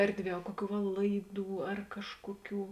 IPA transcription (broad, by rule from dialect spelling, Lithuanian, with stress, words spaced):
ˈɛrʲdʲˌʋʲiɛ ɐ ˈkuɔˌkʲuː ʋɐ ˈlˠɐɪˌduː ɐr ˈkɑːʃkuɔˌkʲuː